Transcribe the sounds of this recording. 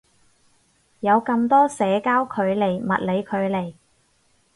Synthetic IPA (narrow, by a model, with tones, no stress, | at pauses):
jɐ˨˧wkɐ˧mt̪ɔː˥sɛː˨˧kaː˥wkʰɵ˨˧ɥle˨˩jmɐ̰˨t̚le˨˧jkʰɵ˨˧ɥle˨˩j